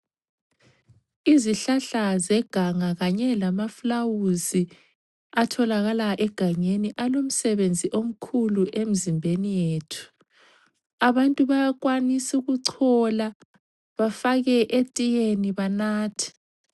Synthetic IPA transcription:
iziɬaɬazɛɡ̥ʱaŋaɣaɲɛlamaflawuzi | atʰɔlaɣalaʔɛɡ̥ʱaɲeniʔalom̩sɛβend͡zʱiʔom̩kʰuluʔem̩zimbʱenijeːtʰu̥ | aβantʼuβajakwanisiuɣuǀʰɔla | βafaɣɛʔetʼijeniβanaːtʰi̥

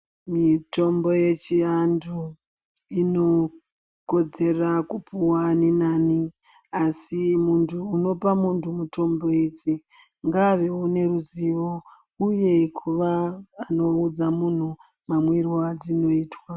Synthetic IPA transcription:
mito̞mbo̞je̞t͡ʃiandʰʱu | ino̞ | ko̞d͡ze̞rakupuwaninaːniasimuntʰuːno̞pamuntʰumuto̞mbo̞id͡zi | ŋɡaʋe̞une̞ruziʋo | uje̞kʰuʋaːno̞ud͡zamun̤u | mamwirwad͡zino̞iːtwa

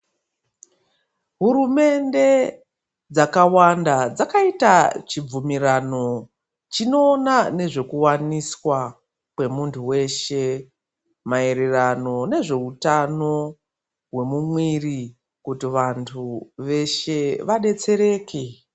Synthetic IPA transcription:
ɦuɾume̞nde̞ | d͡zakawandad͡zakaitat͡ʃib͡vumiɾano̞ | t͡ʃino̞ːnane̞ʐe̞kuwaniswa | kwe̞muntʰuwe̞ʃe̞ | maeɾerano̞ne̞ʐe̞utano̞ | ɦwe̞mumwiri | kutiʋantʰuʋe̞ʃe̞ʋaɗe̞t͡se̞ɾe̞ːke

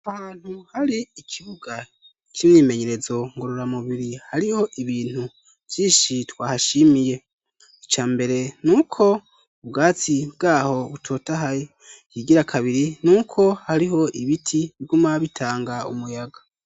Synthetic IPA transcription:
ahhaːn̥huhaɾiːkʰiβuɡa | kʰinniːme̞ɲe̞ɾe̞zo̞ŋɡo̞ɾo̞ɾamuβiɾihaɾiho̞ʔiβiːn̥hu | v̥jiːʃitwaːhaʃimije̞ | it͡ʃaːmbe̞ɾe̞nuːkʰo̞ | ubɡaːt͡sibɡaːho̞βutʰo̞ːtaɦaj | jiɡiɾakʰaβiɾinukʰo̞haɾiɦo̞ʔiβitʰiβiɡumaβitʰaːŋɡaṵmujaɡa

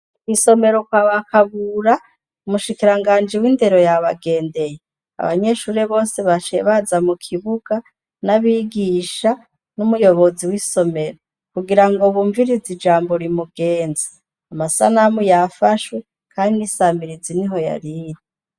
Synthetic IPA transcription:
kwiso̞me̞ɾo̞kwaβakaβuɾa | umuʃikiɾaŋɡaːnd͡ʒiwiːnde̞ɾo̞jaβaɡe̞ːnde̞je | a̰βa̰ɲe̞ʃuːɾe̞βo̞ːse̞βat͡ʃeβazamukʰiβuɡ̥a | naβiːɡiʃa | numujo̞βo̞ziwiːso̞me̞ɾo | kuɡiɾaŋɡo̞βuːɱviɾizid͡ʒaːmbo̞ɾimuɡe̞ːnzḁ | amasa̰namujafaʃwe̞ | kʰaːndinisamiɾiziniɦo̞ja̰ɾiːɾi

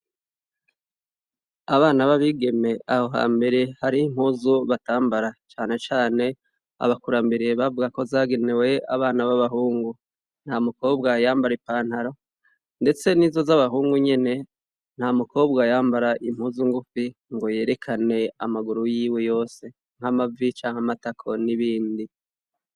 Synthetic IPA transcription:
aβaːnaβaβiɡe̞me̞aho̞ɦa̰ːmbe̞ɾe̞haɾiim̥huːzuβataːmbaɾat͡ʃaːne̞t͡ʃaːne̞ | a̰βakuɾambiɾieβavuɡako̞zaːɡe̞newe̞a̰βaːnaβaβaɦuːŋɡu | n̥hamuko̞ːbɡajaːmbaɾepaːn̥haɾo̞ | nde̞t͡se̞niːzo̞zaβaɦuːŋɡuɲe̞ne̞ | n̥hamuko̞ːbɡajaːmbaɾaʔim̥huːzuŋɡufiŋɡo̞je̞ːɾe̞kʰane̞a̰maɡuɾujiːwe̞jo̞ːse̞ | ŋ̥hamavit͡ʃaːŋ̥hamatakʰo̞niβiːndi

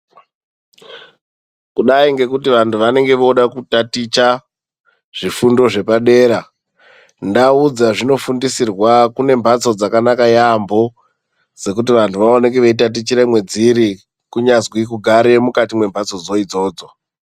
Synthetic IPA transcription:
kuɗaiŋɡe̞kutiʋantʰuʋane̞ŋɡe̞ʋouɗakutatit͡ʃa | ʐ̥ifundo̞ʐe̞paɗe̞ːɾa | ndaud͡zaʐino̞fundisirwakune̞mbʱat͡so̞d͡zakanakajambo̞ | d͡ze̞k̬ut̬iʋantʰuʋaoneɡeʋeit̬at̬it͡ʃiɾemwe̞d͡ziɾi | kuɲazwikuɡʱaɾe̞mukatimwe̞mbʱat͡so̞d͡zo̞id͡zo̞ːd͡zo̞

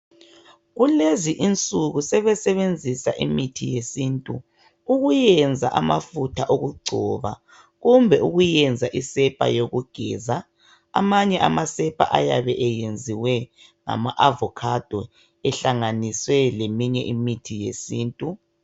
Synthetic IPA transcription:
ɣuleziʔint͡sʼuɣusɛβɛsɛβend͡zʱisa̰ʔimitʰijesintʼṵ | uɣujɛnd͡zʱa̰ʔama̰futʰaʔoɣuɡ͡ǀʱɔ̰βa̰ | ɣumbʱɛʔuɣujɛnd͡zʱaʔisɛpʼa̰joɣuɡ̥ʱɛːza̰ː | maɲɛʔamasɛpʼa̰ʔajaβɛʔɛjend͡zʱiwɛ | ŋa̰maʔavɔkʰad̥ʱwɔ | ɛɬaŋaniswɛlemiɲɛʔimitʰijḛsiːntʼu

